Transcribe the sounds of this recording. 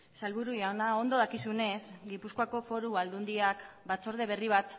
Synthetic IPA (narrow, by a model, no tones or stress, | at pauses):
salβuɾujanao̞nd̪o̞ð̞akisune̞sɡipuskoako̞fo̞ɾuβald̪und̪iakbat͡so̞ɾð̞e̞β̞e̞riβ̞at̪